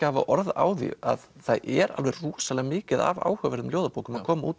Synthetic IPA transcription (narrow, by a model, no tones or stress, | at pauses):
aːvaʔɔɾða̰ːwðḭa̰ðθaðɛɾa̰lvɛɾruːsalɛɣamɪːcɪða̰va̰ːwhœːvɛɾðʏmljoːwðapoːwkʏmakʰɔːmauːt̪